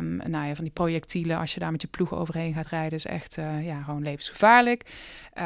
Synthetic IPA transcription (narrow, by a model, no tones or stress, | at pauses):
najaːvɑndiprowjɛk̚tʰiləʔɑ̰ʃjədaːɹmɛtjəpluxəo̰wvərɦejnɣaːtrɛjdəɪsɛ̰xtjaːχəʋownlejvənsχəv̥aːɹlək